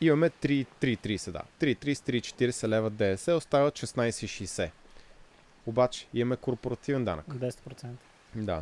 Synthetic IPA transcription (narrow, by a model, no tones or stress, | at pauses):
imɐmɛt̪ɾit̪ɾiːt̪ɾiːsɛd̪a̰t̪ɾit̪ɾist̪ɾiːt͡ʃɛ̥t̪iɾɛsɛlɛvəd̪ɛɛsɛost̪avivəʃɛsnajsɛiʃijsɛ | obat͡ʃɛ̥imɐmɛkoɾpoɾɐt̪ivɛnd̪a̰nə̰kd̪ɛsɛ̥t̪pɾot̪sɛnt̪ə̥ | d̪a̰